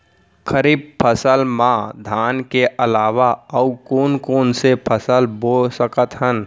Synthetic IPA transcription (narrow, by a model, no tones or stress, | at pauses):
kʰəɾiːb̚pʰəsəlmãd̪ʱaːnkeʔəlaːʋaəukoːnkoːnsepʰəsəlboːlsəkət̪ɦən